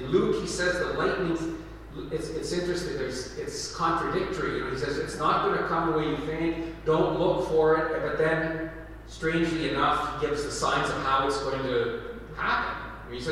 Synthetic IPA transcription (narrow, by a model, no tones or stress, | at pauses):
nlukhisɛzðətˡlaɪʔⁿnɪ̃ŋz | ɪtsɨtsɪ̃nt͡ʃɹ̥ɨstɪ̃ŋðə˞zɪtskʰɑ̃nt͡ʃɹ̥ɨdɪk̚tə˞iɨ̃isɛzɨtsnət̚ɡ̥ʌnɨkʰʌ̃mðəweɪjɨθɪ̃ŋk̚d̥õʊ̃nʔˡlʊkfə˞ɪɾb̥ʌt̪̚ðɨ̃n | stɹ̥ẽɪ̃nd͡ʒliɨnʌfɡ̥ɪvzðɨsãɪ̃nzʌv̥haʊɨtsɡ̥oʊɪ̃ŋtʰɨ | hæ̰pɨ̰̃n | isɛ